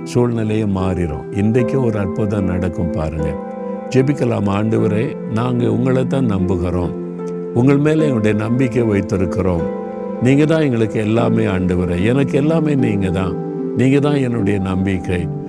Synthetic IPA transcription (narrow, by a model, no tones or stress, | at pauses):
suːlnɪlɐjɐmaːɾɪɾõ̰ːɪnd̪ɐkːẽɔɾɯɐrpɐt̪ãːnɐɽɐkːɯmpa̰ːɾɯŋɡɐ | d͡ʒɛbɪkːɐla̰ːmaːɳɖɯʋɐɾeː | naːŋɡɐʊŋɡɐɭɛt̪ːãːnɐmbɯɣɪɾõː | ʊŋɡɐɭmeːlɛɛnːɯɽɐjɐnɐmbɪkːɐʋɐɪt̪ːɪɾɯkːɪɾõːm | niːŋɡɐt̪ãːɛŋɡɐɭɯkːɯɛlːaːmeːaːɳɖɯʋɐɾɐɛnɐkːɯɛlːaːmeːniːŋɡɐt̪ãː | niːŋɡɐt̪ãːɛnːɯɽɐjɐnɐmbɪkːɐɪ